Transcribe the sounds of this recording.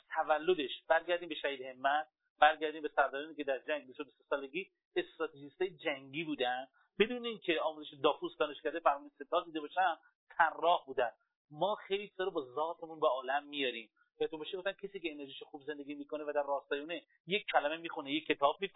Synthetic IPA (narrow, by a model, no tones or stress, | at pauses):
t̪ʰævælːo̞d̪e̞ʃb̥æɾɡæɾd̪iːmbeʃæɦiːd̪he̞mːæt̪̚ | b̥æɾɡʲæɾd̪iːmbesæɾd̪ɒɾɔːniːcʲed̪æɾd͡ʒæŋɡ̚bist̪od̪osesɒːle̞ɡʲiː | est̪ɾɒːt̪ʰeʒist̪ɒːjed͡ʒæŋɟiːbuːd̪ænd̪ | bed̪uːneincʰe̞ɒːmuzeʃed̪ɒːfusd̪ɒːne̞ʃkæɾd̪efæɾmɒːnese̞t̪ʰɒːd̪iːd̪ebɒːʃænd̪ | t̪ʰærːɒːhbuːd̪æn | mɒːxejlit͡ʃʰizɒːɾobɒzɒːt̪ʰe̞munbeɒːlæmːijɒɾim | bæt̪ʰubɒːʃeɡoft̪ænkʰesiːcʲeːne̞ɾʒiːʃoxuːbze̞nd̪e̞ɡʲiːmiːkonevæd̪æɾːɒːst̪ɒːjeune | je̞kʰːælæme̞miːxunejecʲʰːe̞t̪ʰɒːb̚mi